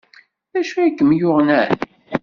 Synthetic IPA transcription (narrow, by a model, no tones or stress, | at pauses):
ðæʃuækːəmjʊʁnæ̰ɾ